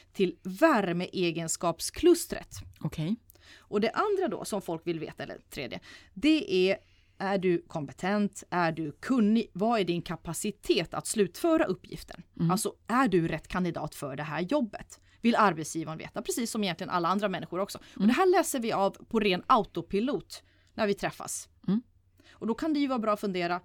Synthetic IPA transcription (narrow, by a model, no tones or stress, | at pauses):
t̪ʰɪlvæɾməʔeːɡənskɑːpskʰlɵst̪ɾə̰t̪ɔkʰɛ | ɔd̪ɛʔand̪ɾad̪ɔ̰sɔmfɔlkvɪlvḛːt̪aɛlːə̰t̪ʰɾḛːd̪jə̰d̪ɛʔæ | ʔæɖɵkʰɔmpɛt̪ʰɛnt̪æɖɵkʰɵnːɪvaæɖɪnkʰapasɪt̪ʰeːt̪a̰t̪slʉ̟ːt̪fœːɾaʔɵpːjɪ̰ft̪ə̰ɳalsɔæɖɵɾɛt̪ːkʰand̪ɪd̪ɑ̰ːt̪fœɖɛɦæːɾjɔbːət̪ | vɪlːaɾbɛt̪sjiːvanvḛːt̪apʰɾɛsiːsːɔmɪjɛnt̪ɪɡəna̰lːaand̪ɾamɛnːɪɧʊɾɔksɔɔd̪ɛɦæːɭɛːsəɾvɪavpʰɔɾeːnaʊt̪ʊpʰɪluːt̪ | næɾvɪt̪ʰɾɛfːa̰s | ʔɔd̪ɔkʰand̪ɛjɵvɑːɾabɾɑːfɵnd̪eːɾa